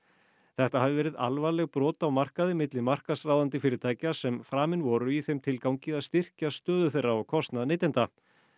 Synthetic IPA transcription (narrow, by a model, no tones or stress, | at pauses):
θɛht̪ahavɪvɛːɾɪða̰lvaɾlɛɣpɾɔːt̪awmar̥kaðɪmɪt̪lɪmar̥kasraːwðant̪ɪfɪːɾɪt̪ʰaːjcasɛmfɾaːmɪnvɔɾʏiθejmt̪ʰɪlkawŋcɪðaðst̪ɪr̥cast̪œːðʏθejrːaɔkʰɔst̪naðnejt̪ɪnt̪a